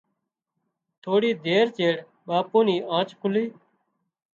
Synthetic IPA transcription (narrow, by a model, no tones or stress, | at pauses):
t̪ʰoːɽiːd̪ʱeːɾt͡ʃeːɽ | ɓaːpũːniːʔãːt͡ʃkʊliː